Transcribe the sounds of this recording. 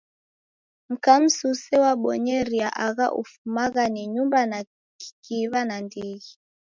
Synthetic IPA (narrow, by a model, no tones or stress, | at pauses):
m̩kam̩susɛwaɓɔɲɛɾiaʔaɣa̰ʔṵfumaɣaniɲumbana | i̥kiβanandiɣi